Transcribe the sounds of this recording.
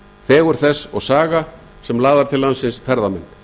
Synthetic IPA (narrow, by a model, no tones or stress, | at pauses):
θɛːɣʏɾ̥θɛsːɔɣsaːɣa | sɛmlaːðaɾt̪ʰɪlːansɪnsfɛɾðamɛnː